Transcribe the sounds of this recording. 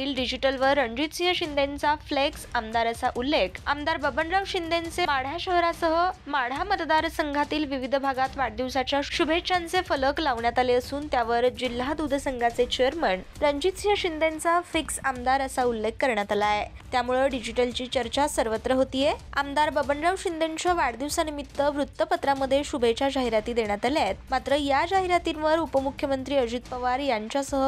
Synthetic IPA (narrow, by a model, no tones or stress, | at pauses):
t̪iːlɖid͡ʑiʈəlʋəɾːəɲd͡ʑit̪siɦəɕind̪ʱent͡safleksamd̪aɾəsaʔulːekʰa̰md̪aɾbəbəɳɖɾawɕind̪ʱent͡semaɽ̤aɕəɦɾasəɦəmaɽ̤amət̪d̪aɾsəŋɡʱat̪iːlʋiʋid̪ʱbʱaɡat̪ʋaɽd̪iwsat͡ɕjaɕubʱet̪ːʂant͡sefələklaʋɳjat̪aleəsuːnt̪jaʋəɾd͡ʑil̤ːad̪ud̪ʱəsəŋɡʱat͡set͡ɕejəɾməɳɾəɲd͡ʑit̪sjəɕind̪ent͡safiksamd̪aɾəsaulːekːəɾɳjat̪alae | t̪jamuɭəɖid͡ʑiʈəlt͡ɕiːt͡ɕəɾt͡ɕasəɾʋət̪ɾəɦot̪iːjeamd̪aɾbəbəɳɖɾawɕind̪eɲt͡ɕəʋaɽd̪iwsanimit̪ːəʋɾut̪ːəpət̪ɾaməd̪ʱːjeɕubʱet͡ɕad͡ʑaɦiɾat̪iːd̪eɳ̃jat̪aljat̪̚mat̪ɾəjad͡ʑaɦiɾat̪inʋəɾupəmukʰjəmənt̪ɾiːəd͡ʑit̪̚pəʋaɾjaɲt͡ɕjasəɦə